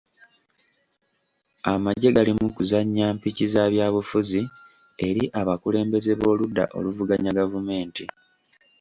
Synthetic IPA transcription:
amaɟːe̞ɡalimukuzaɲːaːmpicizaβjaːβufuzi | e̞ɾiʔaβakule̞ːmbe̞ze̞βo̞ːludːa̰ʔo̞̰luvuɡaɲaɡavume̞ːnti

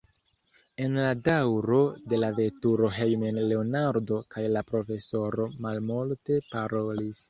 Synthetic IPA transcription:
e̞nladawɾo̞de̞lave̞tuɾo̞ɦe̞jmenle̞onaɾdo̞kʰajlapɾo̞fe̞so̞ɾo̞malmulte̞paɾo̞lis

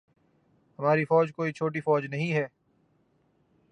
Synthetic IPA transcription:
ɦɐmaːɾifɔːd͡ʒkoːit͡ʃʰoːʈ̬ifɔːd͡ʒnɐɦĩɦɛː

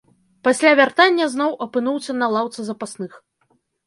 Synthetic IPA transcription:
pasʲlʲavʲart̪anʲːɐzn̪ɔwʔɐpɨnuwsʲɐnɐlˠawt̪sɨzɐpasnɨx

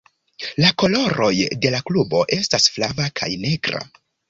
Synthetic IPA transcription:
lako̞lo̞ɾo̞jde̞laklubo̞̰ʔe̞stasflavakʰa̰jne̞ɡɾa̰

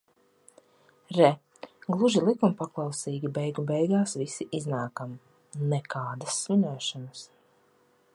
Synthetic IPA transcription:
ɾɛ | ɡlˠuʒilˠikumpaklˠɑwsiːɡʲibɛjɡubɛjɡaːsvisiʔiznaːkam | nɛkaːd̪asːminʲuːʃɔnas

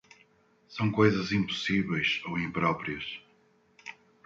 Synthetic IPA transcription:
sɐ̃w̃kojzɐzĩmpu̥siβɛjʃowĩmpɾɔpɾiɐʃ

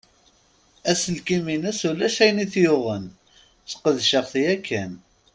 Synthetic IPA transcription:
æsəlkiminæsulæʃæjniθjʊʁən | θqəðʃəʁθjækʰːæn

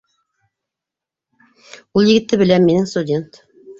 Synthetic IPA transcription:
ulˠjɘ̆ɡɘ̆t̪ːɘbɘ̆lænminɘŋst̪udʲe̞nt̪

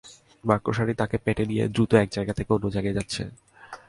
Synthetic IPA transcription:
maɾkoʃaɽit̪akepɛʈenijḛd̪ɾut̪oɛk̚d͡ʑajɡat̪ʰekeonːod͡ʑajɡad͡ʑatːɕʰḛ

